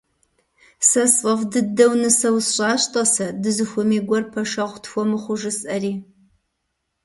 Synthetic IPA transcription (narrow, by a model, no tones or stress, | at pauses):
sɐsɐfdɨdɐwnɨsɐwsɕʼɑːɕtʼɐsɐdɨzɨxʷʊmiːɡʷɔrpʰɐʂɐʁʷtʰfʷɔmɨχʷʊʒɨsɐriː